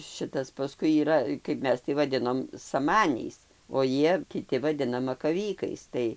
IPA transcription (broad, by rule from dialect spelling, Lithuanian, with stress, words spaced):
ˈʃʲɪtɐs pɐˈskʊɪ iːˈrɐ kɐɪp ˈmʲɛs tɐɪ ʋɐˈdʲɪnoːm sɐˈmɑːnʲɛɪs oː ˈjiɛ kʲɪˈtʲɪ ʋɐˈdʲɪnɐ mɐkɐˈʋʲiːkɐɪs ˈtɐɪ